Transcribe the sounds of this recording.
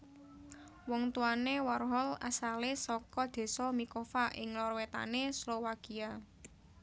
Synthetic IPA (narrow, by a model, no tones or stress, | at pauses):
wɔŋt̪uanewarɦɔla̰salesɔkɔd̪̥e̤sɔmikɔfaʔɪ̰ŋlɔrwet̪a̰neslowakia